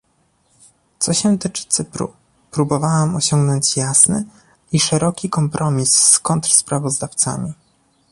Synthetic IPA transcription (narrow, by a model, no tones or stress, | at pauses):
t̪sɔɕɛ̃t̪ɘt͡ʂɘ̥t̪sɘpɾṵ | pɾubɔvawamɔɕɔŋɡnɔɲt͡ɕjasnɘ̰ | iʂɛɾɔkʲikɔmpɾʔɔmʲisːkɔnt̪ɾspɾavɔzd̪aft̪sa̰mʲi